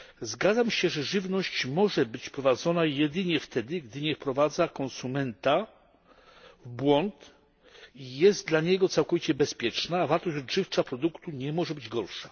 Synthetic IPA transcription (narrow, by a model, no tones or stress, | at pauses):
zɡad̪zamɕɛʐɛʐɘvnɔɕt͡ɕmɔʐɛbɘt͡ɕfpɾɔvad̪zɔnajɛd̪ɘɲɛft̪ʰɛd̪ɘɡd̪ɘɲɛfpɾɔvad̪zakɔnsumɛnt̪a | vbwɔnt̪ | ijɛzd̪̚d̪laɲɛɡɔt̪sawkɔvʲit͡ɕɛbɛspʲjɛt͡ʂnaːvaɾt̪ɔɕɔdʐɘft͡ʂapɾɔd̪ukt̪uɲɛmɔʐɛbɘd͡ʑɡɔɾʂḁ